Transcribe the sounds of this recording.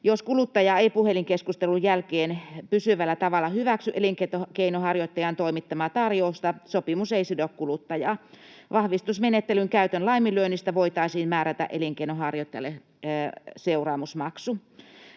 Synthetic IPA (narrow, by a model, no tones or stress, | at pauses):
joskulut̪ːɑjɑeipuheliŋkeskust̪elujjælkeːnpysyʋælːæt̪ɑʋɑlːɑhyʋæksyʔeliŋket̪okeinohɑrjot̪ːɑjɑnt̪oimit̪ːɑmɑːt̪ɑrjoust̪ɑsopimuseisidokkulut̪ːɑjɑː | ʋɑhʋist̪usmenet̪ːelyŋkæyt̪ønlɑimiløːnist̪æʋoit̪ɑisiːnmæːɾæt̪æ̰ʔeliŋkeinohɑrjot̪ːɑjɑ̰lːe | seurɑːmusmɑksu